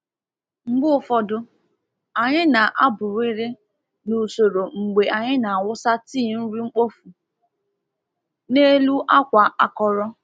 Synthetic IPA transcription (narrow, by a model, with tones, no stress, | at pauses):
ŋ͡m̩˨ɡ͡bʊ˦fɔ˦dʊ˦ | a˨ɲɪ˦na˨ʔa˦bʊ˨ɾe˦ɾe˦ | nu˨so˨ɾo˨ŋ͡m̩˨ɡ͡be˨a˨ɲɪ˦na˨a˨wʊ˦sa˦ti˦˨n̩˦ɾi˦ŋ͡m̩˦k͡po˦fu˨ | ne˦lu˦ʔa˦kʷa˨ʔa˦kɔ˦ɾɔ˦